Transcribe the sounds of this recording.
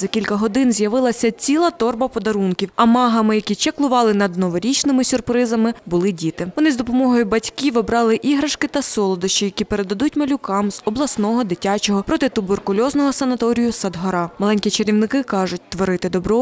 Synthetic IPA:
zɐkʲilʲkɐɦɔd̪ɪnzʲjɐʋɪlˠɐsʲɐt͡sʲilˠɐt̪ɔrbɐpɔd̪ɐɾunkʲiwɐmɑɦɐmɪjɐkʲit͡ʃɛklˠʊʋɑlˠɪnɐd̪nɔʋɔɾʲit͡ʃnɪmɪsʲʊrpɾɪzɐmɪbʊlˠɪdʲit̪ɪʋɔnɪzd̪ɔpɔmɔɦɔjʊbɐtʲkʲiʋɔbɾɑlˠɪʔiɦɾɐʃkɪt̪ɐsɔlˠɔd̪ɪʃt͡ʃɔjɐkʲipeɾed̪ɐd̪utʲmɐlʲʊkɑmzɔblˠɐsnɔɦɔd̪ɪtʲat͡ʃɔɦɔpɾɔt̪ɪt̪ʊberkʊlʲɔznɔɦɔsɐnɐt̪ɔɾʲijʊsɐd̪ɦɔɾɑmɐlˠɛnʲkʲit͡ʃeɾʲiwnɪkɪkɑʒʊt̚ʲt̪ʋɔɾɪt̪ɪd̪ɔbɾɔ

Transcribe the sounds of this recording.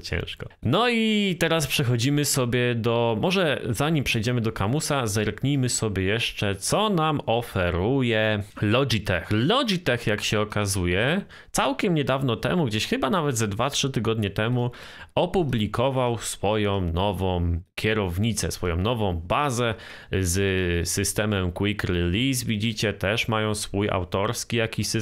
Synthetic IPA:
t͡ɕɛ̰̃w̃ʂkɔnɔit̪ɛɾaspʂɛxɔd͡ʑimɘsɔbʲjɛd̪ɔmɔʐɛzaɲimpʂɛjd͡ʑɛmɘd̪ɔkamusazɛɾkɲijmɘsɔbʲjɛjɛʂt͡ʂɛt̪sɔnamɔfɛɾujɛlɔd͡ʑit̪ɛxlɔd͡ʑit̪ɛxjakɕɛɔkazujɛ | t̪sawkʲɛmɲɛd̪avnɔt̪ɛ̰muɡd͡ʑeɕxɘbanavɛd̪zɛd̪vatʂɘt̪ɘɡɔd̪ɲɛt̪ɛmu | ɔpublʲikɔvawsfɔjɔ̃w̃nɔvɔ̃w̃kʲɛɾɔvɲit̪sɛ̰sfɔjɔ̰̃w̃nɔvɔ̃w̃bazɛ | zsɘst̪ɛmɛmkwikɾɛlʲisvʲid͡ʑit͡ɕɛt̪ɛʂmajɔ̃w̃sfuja̰wt̪ɔɾskʲijakʲiɕs

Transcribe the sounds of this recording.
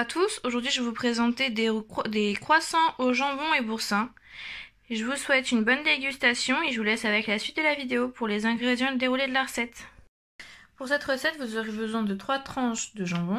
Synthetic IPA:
at̪ʰusoʒuʁd̪ɥiʒəvupχezɑ̃t̪ed̪d̪ekχwasɑ̃ʔoʒɑ̃bɔ̃ebuʁsɛ̃ | ʒəvuswɛt̪ynbɔnd̪eɡʲyst̪asjɔ̃eʒəvulɛsavɛklasɥit̪̚d̪əlavid̪eopuʁlezɛ̃ɡʁed̪jɑ̃əd̪eʁuled̪əlaʁəsɛt̪ | puʁsɛt̪ʁəsɛt̪vuzoʁjebəzwɛ̃d̪ət̪χwat̪χɑ̃ʃd̪əʒɑ̃bɔ̃

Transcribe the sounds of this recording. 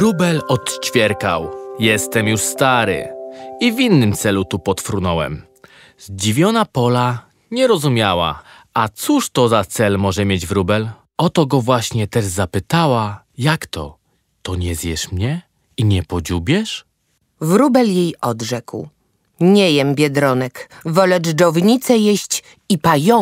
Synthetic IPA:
ɾubɛlɔt̪t͡ɕfʲjɛɾkawjɛst̪ɛmjuʂst̪aɾɘ̰ivʲinːɘmt̪sɛlut̪upɔt̪fɾunɔwɛ̰m | zd͡ʑivʲjɔnapɔla | ɲɛɾɔzumʲjawa̰ | at̪suʂt̪ɔzat̪sɛlmɔʐɛmʲjed͡ʑvɾubɛl | ɔt̪ɔɡɔvwaɕɲɛt̪ɛʐzapɘt̪awa | jakt̪ɔ̰ | t̪ɔɲɛzjɛʂmɲɛ | iɲɛpɔd͡ʑubʲjɛʂ | vɾubɛljejɔd̪ʐɛkw | ɲɛjɛmbʲjɛd̪ɾɔnɛkvɔlɛd͡ʐdɔvɲit̪sɛjɛɕt͡ɕ | ipajɔ

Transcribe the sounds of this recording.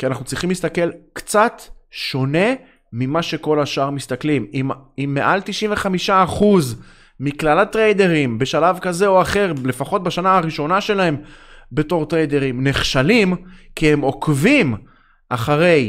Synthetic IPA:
kianaχnut͡sʁiχimlist̪ake̞lkt͡satʃo̞ne̞ | mimaʃe̞ko̞laʃaʁmist̪aklimiimːe̞ʔalt̪iʃinveχamiʃaːχuz | miklalatʁejde̞ʁimbe̞ʃalavkaze̞oaχe̞ʁle̞faχo̞t̚baʃanaaʁiʃo̞naʃe̞lahe̞mbe̞to̞ʁt̪ʁejde̞ʁimneχʃalimkiemo̞kvim | ʔaχaʁe̞j

